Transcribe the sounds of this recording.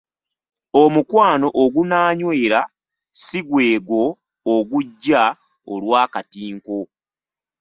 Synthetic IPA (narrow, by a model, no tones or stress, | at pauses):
omukwaːno̞ʔoɡunaːɲwe̞ːɾa | siɡweːɡo̞ː | ɡuɟːa | olwaːkatiːŋko̞